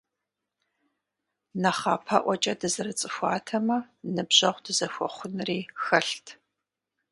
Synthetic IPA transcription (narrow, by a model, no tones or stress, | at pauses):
nɐχaːpʰɐʔʷɔt͡ʃʼɐdɨzɨrɨt͡sʼɨxʷɑ̰ːtʰɐmɐ | nɨbʑɐʁʷdɨzɐxʷɔ̰χʷʊnɨriːxɐɬtʰ